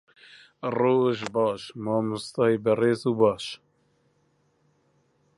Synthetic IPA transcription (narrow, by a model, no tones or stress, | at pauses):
roːʒbɑːʃmɑːmʊst̪ɑːibɛreːzuːbɑːʃ